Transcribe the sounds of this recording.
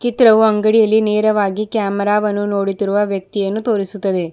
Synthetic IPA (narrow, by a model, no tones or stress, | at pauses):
t͡ʃit̪ɾɐʋuɐŋɡɐɽijɐlːineːɾɐʋaːɡikjaːmɐɾaːʋɐnːuno̞ːɽit̪iɾuʋɐʋjɐk̚t̪ijɐnːut̪o̞ːɾisut̪ːɐd̪e̞